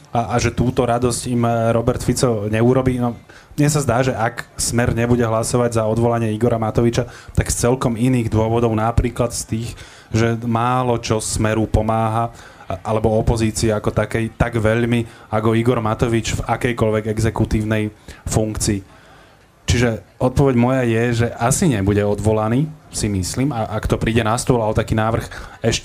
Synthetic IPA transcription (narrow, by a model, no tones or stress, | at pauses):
aaʒɛt̪uːt̪ɔɾad̪ɔscimɾɔbɛɾt̪fit͡sɔɲɛuɾɔbiːnɔ | mɲɛs̬azd̪aːʒɛʔaksmɛɾɲɛbuɟɛɦlasɔʋaɟzaɔd̪ʋɔlaɲɪɛiɡɔɾamat̪ɔʋit͡ʃat̪akst͡sɛlkɔminiːɣd̪ʊɔʋɔd̪ɔʊnapɾiːklat̪st̪iːx | ʒɛmaːlɔt͡ʃɔsmɛɾupɔmaːɦa | alɛbɔɔpɔziːt͡siɛakɔt̪akɛjt̪aɡʋɛʎmiakɔiɡɔɾmat̪ɔʋit͡ʃvakɛjkɔʎʋɛɡɛɡzɛkut̪iːʊnɛjfuŋkt͡siː | t͡ʃiʒɛɔt̪̚pɔʋɛɟmɔjajɛʒɛʔasiɲɛbuɟɛɔd̪ʋɔlaniːsimisliːmaʔakt̪ɔpɾiːɟɛnast̪ʊɔlaɔt̪akiːnaːʋr̩xɛʃ